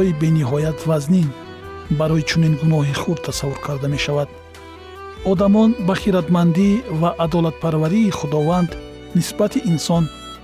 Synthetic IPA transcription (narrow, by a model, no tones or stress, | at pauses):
ɔibe̞niɦɔjat̪vaznin | baɾɔjit͡ʃʰuninɡunɔɦiχud̪t̪ʰasavuɾkʰaɾd̪ame̞ʃavad̪̥ | ɔd̪amɔnbaχiɾat̪mand̪ivaʔːd̪ɔlat̪̚pʰaɾvaɾiːχud̪ɔvand̪ | nisbat̪ʰiʔːnsɔn